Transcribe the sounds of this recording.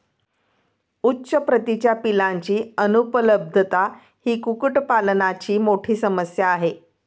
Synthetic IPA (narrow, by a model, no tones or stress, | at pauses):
utːɕəpɾət̪it͡ɕjapilãɲt͡ɕiːənupələb̚d̪ʱət̪a | hiːkukuʈpalnat͡ɕiːmoʈʰiːsəməsjaːɦe